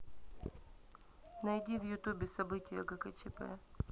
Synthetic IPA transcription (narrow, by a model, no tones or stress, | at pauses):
nɐjdʲivjʊt̪ubʲɪsɐbɨtʲɪjəɡəkɛt͡ʃɛpɛ̰